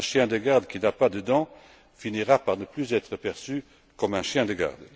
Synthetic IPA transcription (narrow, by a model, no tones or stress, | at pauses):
ɛ̃ʃjɛ̃d̪əɡaʁd̪kʲinapad̪əd̪ɑ̃ | finiʁapaʁnəplyzɛt̪χəpɛʁsy | kɔmɛ̃ʃjɛ̃d̪əɡa̰ʁd̪